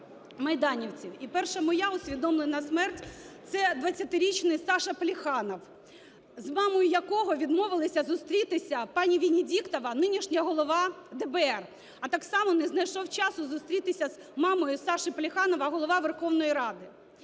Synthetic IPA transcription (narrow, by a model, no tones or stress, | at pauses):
mɐjd̪ɑnʲiwt͡sʲiwipɛrʃɐmɔjaʊsʲʋʲid̪ɔmlˠɪnɐsmɛrtʲt̪sɛd̪ʋɐt͡sʲːɐt̪ɪɾʲit͡ʃnɪjsɑʃɐplʲixɑnɔw | zmɑmɔjʊjɐkɔɦɔʋʲid̪mɔʋɪlˠɪsʲɐzʊst̪ɾʲit̪ɪsʲɐpɑnʲiʋʲinʲidʲikt̪ɔʋɐnɪnʲiʃnʲɐɐɦɔlˠɔʋɑd̪ɛbeɛr | ɐt̪ɑksɑmɔnɛznɐjʃɔwt͡ʃɑsʊzʊst̪ɾʲit̪ɪsʲɐz̥ | mɑmɔjʊsɑʃɪplʲɪxɑnɔʋɐɦɔlˠɔʋɑʋerxɔwnɔjiɾɑd̪ɪ